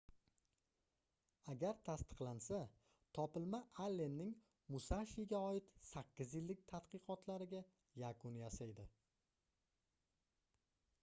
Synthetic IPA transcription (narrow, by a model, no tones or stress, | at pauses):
aɡʲaɾt̪ʰast̪ɨ̥qlˠansa | t̪ʰɒpɪlmaʔalːe̞nːɪŋ | mʊsaʃiɪɡʲaɒɪt̪sakʲːɪzjɪlːɪk̚ʲt̪ʰat̪qɨqɒt̪ʰlaɾɪɡʲa | jakʰʊnjasajd̪ɪ